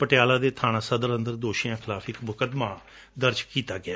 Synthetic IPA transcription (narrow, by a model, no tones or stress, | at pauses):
pəʈɪjaːlãːd̪eːt̪ʰaːñãːsəd̪əɾənd̪əɾd̪oːʃijãːkʰɪlaːfʰɪkmʊkəd̪mãː | d̪əɾd͡ʒkiːt̪aːɡɪaː